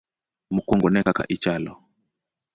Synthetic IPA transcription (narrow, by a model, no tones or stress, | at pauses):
mukɔŋɡɔnɛkaka̰ʔit͡ʃalɔ